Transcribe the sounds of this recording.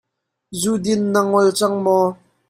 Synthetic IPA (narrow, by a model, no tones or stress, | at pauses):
zudɪnːaŋɔlt͡saŋmɔ